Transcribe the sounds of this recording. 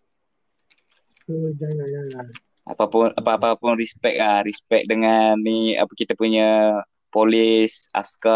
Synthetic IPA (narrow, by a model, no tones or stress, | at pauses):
d͡ʒaajaja | a̰papʊnapaːpapʊnrispɛk̚ahrispɛk̚dəŋanːia̰pakit̪apuɲa | polisa̰skə